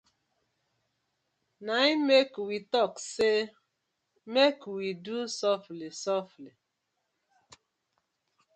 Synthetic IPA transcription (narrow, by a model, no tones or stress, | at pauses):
naimekwitɔkse | mekwidusɔflisɔfli